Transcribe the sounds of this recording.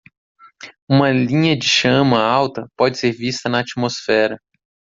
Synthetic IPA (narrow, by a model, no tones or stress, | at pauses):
ũmɐlĩɲɐd͡ʒɪʃɐ̃mɐawt̪ɐpɔd͡ʒɪseɾvist̪ɐnɐat͡ʃimosfɛɾɐ